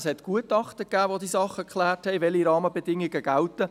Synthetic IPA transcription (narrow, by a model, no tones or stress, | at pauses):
shɛtɡ̥uətɑχtəkːæːʋod̪iːsɑχːəkʰχlæːrthɛɪvɛliɾɑːməbɛdɪŋɪɡəɡ̥æltə